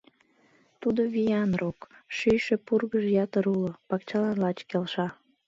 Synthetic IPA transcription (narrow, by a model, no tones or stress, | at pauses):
t̪ud̪oβijɑnrokʃyjʃepurɣəʒjɑt̪əɾulopɑkt͡ɕɑlɑnlɑt͡ɕkelʃɑ